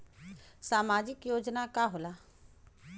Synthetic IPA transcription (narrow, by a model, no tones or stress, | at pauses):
saːmaːd͡ʒɪkjoːd͡ʒnakaːɦolaː